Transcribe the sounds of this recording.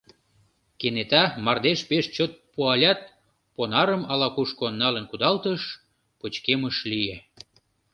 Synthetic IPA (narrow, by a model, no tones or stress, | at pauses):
kenet̪ɑmɑrd̪eʃpeʃt͡ɕot̪̚puɑlʲɑt̪̚ | ponɑɾəmɑlɑkuʃkonːɑlənkud̪ɑlt̪əʃ | pət͡ɕkeməʃlije